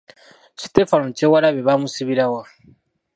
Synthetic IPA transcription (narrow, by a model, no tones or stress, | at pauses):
si̥tefanmcewalaβeβamusiβiɾawa